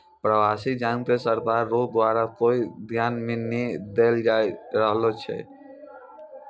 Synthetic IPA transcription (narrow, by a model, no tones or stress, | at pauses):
pɾəbasikd͡ʒaŋkesəɾk̪aɾːoɡd̪waɾakoid̪ʱjanmened̪eld͡ʒaeɾəɦlɔt͡ʃʰɛ̰